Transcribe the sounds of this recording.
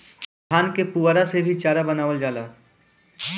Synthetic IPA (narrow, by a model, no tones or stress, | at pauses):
aːnkepuaɾasebʱit͡ʃaːɾabɐnaːʋəld͡ʒaːlaː